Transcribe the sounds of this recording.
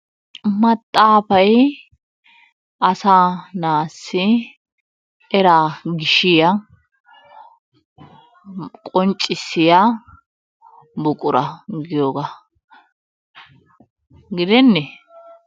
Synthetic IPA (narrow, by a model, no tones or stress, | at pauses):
mɐt̪ʼːaːpɐj | ɐsanaːsːɪ | ɛɾaːɡɪʃɪjɐ | kʼɔnt͡ʃʼːɪsːɪja | bʊkʼʊɾɐɡɪjoːɡa | ɡɪd̪ɛnːɛ